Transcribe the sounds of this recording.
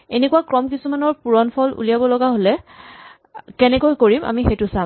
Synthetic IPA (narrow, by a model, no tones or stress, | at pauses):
enekuwakɹɔmkisumanɔɹpuɹɔnpʰɔlṵlijabɔlɔɡaɦolɛ | kɛnɛkojkoɹimʔa̰mixetʊsam